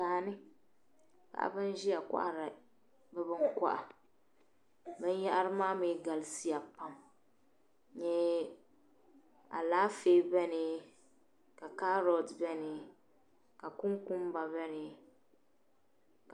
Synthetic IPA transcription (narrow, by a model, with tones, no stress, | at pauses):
aː˨nɪ˦ | ka̰˨ʔa̰˨bɨ˦n˦ʒi˦ja˨kʷa̰˦ʔa˦˨ɾa˨ | bɛ˦bɨ˦ŋka̰˦ʔa˨ | bɨ˦n˦ja˦ʔa˦ɾɨ˦maː˦mi˨˦ɡa˨lsi˦a˨pa˨m | ɲɛ˦ | a̰˨laː˦feː˦bɛ˦nɪ˨ | ka˨ka˦ɾɔ˨dbɛ˦nɪ˨ | ka˨kʊ˦ŋku˦m˦ba˨bɛ˦nɪ˨ | k